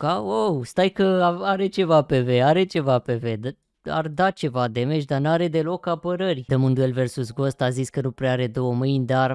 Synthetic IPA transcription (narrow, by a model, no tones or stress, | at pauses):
kaowst̪ajkəaaɾe̞t͡ʃe̞vape̞ve̞aɾe̞t͡ʃe̞vape̞ve̞d̪ | a̰rd̪at͡ʃe̞vad̪e̞me̞ʃd̪anuaɾe̞d̪e̞lo̞kapəɾərʲd̪əmɨnd̪ue̞lve̞rsusɡo̞st̪aziskənupɾeaɾe̞d̪o̞wəmɨjnʲd̪ar